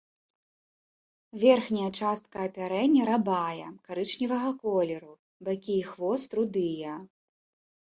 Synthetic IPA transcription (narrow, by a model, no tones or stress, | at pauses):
vʲɛrxnʲɐjɐt͡ʂast̪̚kɐːpʲaɾɛnʲːɐɾabajɐ̰kaɾɨt͡ʂnʲivɐɣɐkɔlʲɛɾu | bakʲiːxvɔst̪ɾud̪ɨjɐ